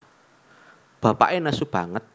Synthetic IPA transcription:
b̥a̤pa̰ʔenasub̥a̤ŋət̪̚

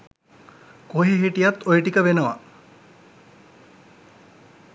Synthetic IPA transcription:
koɦeɦiʈijat̪ojəʈikəʋenəʋa̰

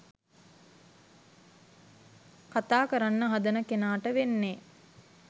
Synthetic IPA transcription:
kat̪aːkəɾanːəɦad̪ənəkenaːʈəʋenːe

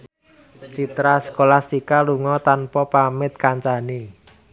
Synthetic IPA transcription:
t͡ʃit̪ɾasə̥kolast̪ikaluŋɔt̪anpɔpamɪt̪̚kaɲt͡ʃani

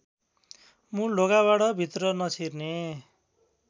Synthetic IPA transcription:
mũloɡaβaɽʌbʱit̪rʌnʌt͡sʰirne

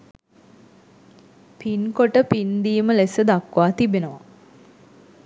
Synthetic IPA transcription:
pinkoʈəpind̪iːməlesəd̪akʋaːt̪ibenəʋa

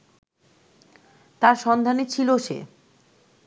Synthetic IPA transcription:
t̪aɾʃɔnd̪ʱanet͡ɕʰiloʃḛ

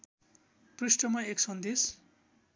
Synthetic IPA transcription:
prisʈʌmʌeksʌnd̪es

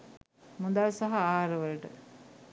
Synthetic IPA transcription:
mud̪alsaɦaaːɾəʋələʈə̰

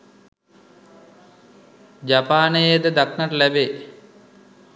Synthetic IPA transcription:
d͡ʒapaːnəjed̪əd̪aknaʈəlæbe

